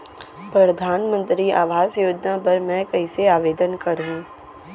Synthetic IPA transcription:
pɾɐd̪ʱaːnmə̃nt̪ɾia̰ːʋaːzjoːd͡ʒnapɐɾmɛ̃kɐɪseaːʋeːd̪ənkɐɾɦũ

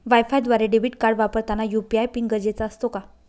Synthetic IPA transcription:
ʋajfajd̪ʋaɾeɖebiʈkaɾɽʋapəɾt̪anajupiajpiŋɡəd͡ʑet͡saəst̪oka

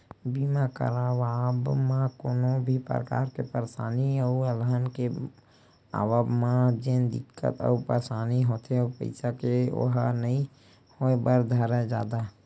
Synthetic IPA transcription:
biːmakə̰ɾaːwaːbmãkoːnobʱipəɾə̰ka̰ːɾkepəɾsaːnioəlɦənke | a̰ːʋabmãd͡ʒend̪ɪkːə̰t̪ɔ̰ːpəɾsaːniɦoːt̪ʰeopə̰ɪsakeo̰ɦanəɦĩ | hoːebəɾd̪ʱəɾed͡ʒa̰ːd̪a

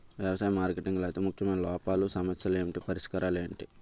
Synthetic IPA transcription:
ʋjɐʋɐsaːjɐmaːɾkeʈiŋɡlajt̪eːmukʰjɐmɐnlɔːpaːlusɐmɐt̪sjɐleːɳʈipɐɾiʂkɐɾaːleːɳʈi

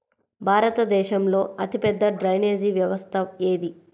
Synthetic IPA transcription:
bʱaːɾɐt̪ɐd̪ɛːʃɐmlo̞ːɐt̪ipɛd̪ːɐɖɾɐjneːd͡ʒiʋjɐʋɐst̪ʰɐeːd̪i

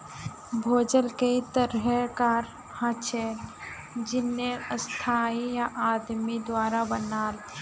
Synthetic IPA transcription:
bʱoːd͡ʒəlket̪əɾɦəkaːɾ | hãt͡ʃʰeː | d͡ʒɪnːeəst̪ʰaːijaʔaːd̪mid̪waːɾabənaːl

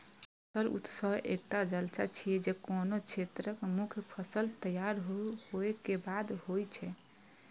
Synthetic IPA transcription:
səɾṵt̪səbḛk̚ʈad͡ʒəlt͡ʃa̰t͡ʃʰijɛd͡ʒekonot͡ʃʰet̪ɾəkmukʰjpʰəsəlt̪əjaɾɦohoekebad̪hojt͡ʃʰɛ

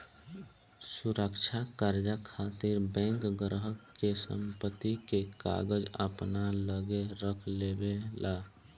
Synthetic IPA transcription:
suɾəkt͡ʃʰakaɾd͡ʒəkʰat̪iɾbɛ̃ŋkɡɾɦəkkːesə̰mpət̪ːikeka̰ɡəd͡ʒə̰pnaləɡeɾəkʰlebelʔa

